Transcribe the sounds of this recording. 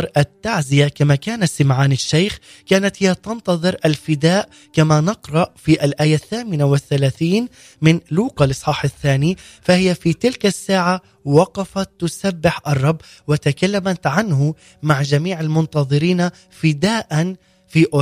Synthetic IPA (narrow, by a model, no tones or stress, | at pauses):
ɾˤʔat̪ːaʕzɪjakamakaːnasɪmʕaːnɪʃːejx | kaːnat̪hɪjːat̪ɑnt̪ɑðˤɨɾʔalfɪd̪aːʔ | kamanɪqɾˤɑʔfiʔalʔaːjaθːaːmɪnawɪθːalaːθiːn | mɪnluːqɑlʔɨsˤħɑːħaθːaːnifahɪjafit̪ɪlkasːaːʕa | wɑqɑfat̪ːʊsabːɪħʔɑrˤːɑbː | wɪt̪akalːamat̪ʕanhʊ | maʕd͡ʒamiːʕalmʊnt̪ɑðˤɨɾiːna | fɪd̪aːʔan | fiʔʊ